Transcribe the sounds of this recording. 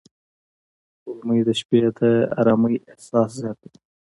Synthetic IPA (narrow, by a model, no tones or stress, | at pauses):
ulməjd̪əʃpet̪ʰaa̰ɾɑməjɪhsɑszjɑːt̪̚u